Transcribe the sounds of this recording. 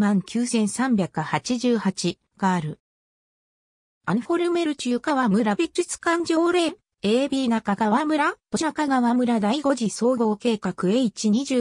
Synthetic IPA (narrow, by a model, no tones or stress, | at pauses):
mãŋkʲɨːsẽ̞ɰ̃sãmbʲjakɯ̟hat͡ɕiʑɨːhat͡ɕi | ɡ̥aːɾɯ̟ | aniɸo̞ɾɯ̟me̞ɾɯ̟t͡ɕɨːkaβamɯ̟ɾabʲikːɯt͡sɨ̥kãɲ̟d͡ʑo̞ːɾe̞ | e̞ːbʲinakaɡaβamɯ̟ɾat̪oɕakaɡaβamɯ̟ɾad̪aiɡo̞ʑiso̞ːɡo̞ːke̞ːkakɯ̟eit͡ɕiɲ̟iʑɨː